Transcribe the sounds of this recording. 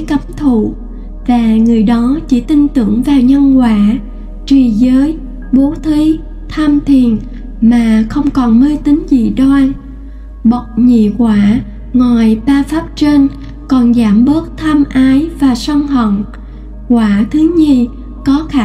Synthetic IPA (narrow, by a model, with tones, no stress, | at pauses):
kə˨˦mt̪ʰṵ˧˨ | vaː˨˩ŋɨ˨˩əjɗɔ˨˦t͡ɕḭ˧˩t̪ï˧ŋt̪ɨ̰˧˩˨əŋvaː˨˩wɲə˧nkwaː˧˩ | t͡ɕwi˨˩zəː˨˦j | ɓo˨˦t̪ʰwi˨˦ | t̪ʰaː˧mt̪ʰi˨˩ən | maː˨˩xə˧wŋ͡mkɔ˨˩nməː˧jt̪ï˨˦ŋ̟zḭ˧˨ɗɔ˧j | ɓə˨˩wk͡p̚ɲḭ˧˨kwaː˧˩ | ŋɔ˨˩jɓaː˧faː˦˥p̚t͡ɕe˧n | kɔ˨˩nzaː˧˩mɓə˦˥ək̚t̪ʰaː˧mʔaː˨˦jvaː˨˩swa˧ŋɦə̰˧˨wŋ͡m | kwaː˧˩t̪ʰɨ˨˦ɲi˧ə | kɔ˨˦xaː˧˨